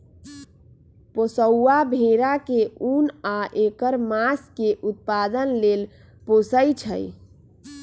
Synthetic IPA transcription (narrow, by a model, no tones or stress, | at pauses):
posəwːabʱeɾakeunaʔekəɾmaskeʔut̪̚pad̪ənlel | posəjt͡ʃʰə̰j